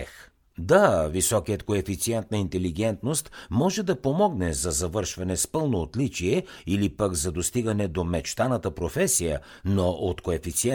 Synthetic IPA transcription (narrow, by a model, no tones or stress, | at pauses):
ɛ | d̪avisɔkijət̪koɛfit̪siɛnt̪̚nəint̪ɛliɡɛnt̪nost̪mɔʒɛd̪ɐpomɔɡnɛzɐzɐvɤɾʃvɐnɛspɤlˠnoːt̪lit͡ʃiɛilipəkzɐd̪ost̪iɡɐnɛd̪omɛt͡ʃt̪anət̪əpɾofɛsijə | noʔot̪koɛfit̪siɛ